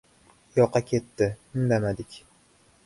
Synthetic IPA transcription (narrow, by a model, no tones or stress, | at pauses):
jɒqʰːɑkʲʰe̞t̪ːɪmɪmd̪amad̪ɪkʲ